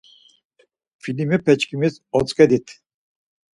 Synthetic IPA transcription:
filimipʰɛt͡ʃkʰimizɔt͡sʼkɛd̪it̪ʰ

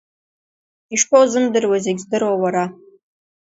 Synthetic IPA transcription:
iʂpʰowzɨmdɨrwazeɡʲzdɨɾwowaɾa

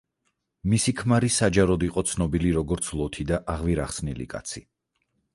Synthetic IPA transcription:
misikʰmaɾisad͡ʒaɾɔd̪iqʼɔt̪sʰnɔbiliɾɔɡɔɾt̪sʰlˠɔt̪ʰid̪aʔaʁviɾaχsnḭlḭkʼa̰t̪sʰi

